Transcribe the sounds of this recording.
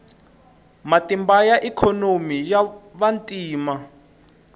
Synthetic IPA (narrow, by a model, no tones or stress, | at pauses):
matʼimbajaʔikʰɔnomijaβantʼiːma